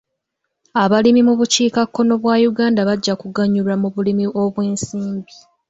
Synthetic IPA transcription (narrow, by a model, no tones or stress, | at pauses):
aβalimimuβuciːkakːo̞no̞βwaːjuɡaːndaβaɟːakuɡaɲulamuβulimiʔo̞βweːnsiːmbi